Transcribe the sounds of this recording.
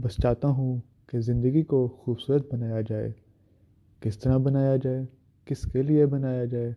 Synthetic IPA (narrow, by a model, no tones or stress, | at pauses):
bɐst͡ʃaːt̪aɦũ | kezɪ̃nd̪əɡikoxuːbsuːɾət̪̚bɐnaːjad͡ʒaːḛː | kɪst̪ɐɾabɐnaːjad͡ʒaːeː | kɪskeliebɐnaːjad͡ʒaːeː